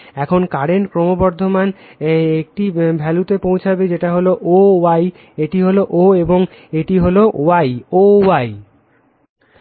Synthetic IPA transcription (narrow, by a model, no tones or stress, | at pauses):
ɛkʰonkaɾeɳʈkɾomobɔɾd̪ʱomanek̚ʈibʱɛlut̪epowt͡ɕʰabed͡ʑeʈaɦoloʔowaj | eʈiɦoloʔoeboŋ | eʈiɦoloʔowajowaj